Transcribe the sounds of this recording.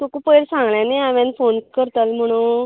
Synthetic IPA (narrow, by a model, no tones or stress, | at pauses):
t̪okupəjɽsãŋɡɭjãneaʋãnfonkəɾt̪əlm̤əɽ̃u